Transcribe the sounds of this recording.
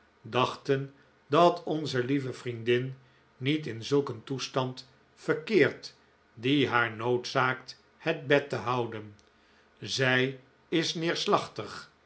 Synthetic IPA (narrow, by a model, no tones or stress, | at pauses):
dɑχtən | dɑtʰɔnzəlivəvrindɪn | nitɪnzɵlˠkəntustɑnt | fəɹkɪːɹt | diɦaːɹnowtsaːkt | həd̚bɛtəɦɑwdən | zɛj | ɪsnɪːɹslɑχtəχ